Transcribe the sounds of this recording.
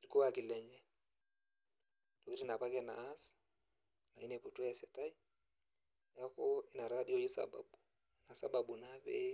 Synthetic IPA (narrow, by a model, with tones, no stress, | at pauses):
i˨ɾi˦ko˦wa˨ki˨lɛ˦ɲd͡ʒɛ˦ | to˨ki˦ɾi˦na˨pa˦kɛ˦na̰ː˨˦s | na˨i˦nɛ˨po˨tu˦ɛ˦˨sɛ˨ta˦i˦ | ja˦ko˦i˦na˨ɾa˦di˦o˨˦i˦sa̰˨ba̰˨ɓu˨ | na˨sa˨ba˨bu˨na˦βɛ̰˦